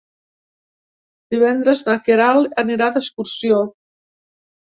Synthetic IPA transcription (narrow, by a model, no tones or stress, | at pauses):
d̪iβɛnd̪ɾəznakeɾaləniɾad̪əskuɾsio